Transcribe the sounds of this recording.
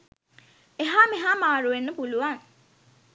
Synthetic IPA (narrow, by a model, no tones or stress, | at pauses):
eɦaːmeɦaːmaːɾuʋenːəpuluʋaŋ